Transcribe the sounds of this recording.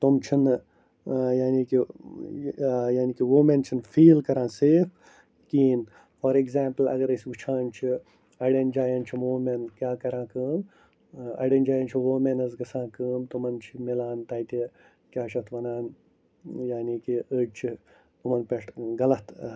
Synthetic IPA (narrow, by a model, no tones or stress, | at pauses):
t̪umt͡ʃʰin | jaːniːki | jaːnikiʋoːment͡ʃʰinfʰiːlkɐɾãːnseːfʰ | kiːn | fɐɾeɡzaːmplɐ̰ɡɐɾɐsʲut͡ʃʰãːnt͡ʃʰi | ɐɖend͡ʒaːjɐːnt͡ʃʰimoːmenkʲjaːkɐɾãːkɨːn | ɐ̰ɖend͡ʒaːjɐnt͡ʃʰiʋoːmenɐzɡɐsãːkəːnt̪umɐnt͡ʃʰimilaːnt̪aːjt̪i | kʲjaːʃʰɐt̪ʰʋɐnaːn | jaːniːkiəːt͡ʃʰi | t̪umɐnpeʈɡɐlɐt̪ʰ